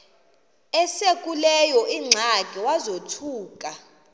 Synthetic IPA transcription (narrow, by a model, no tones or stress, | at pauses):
ɛsekʼulɛjɔʔiŋ͡ǀʱakʼɛwazotʰuːkʼa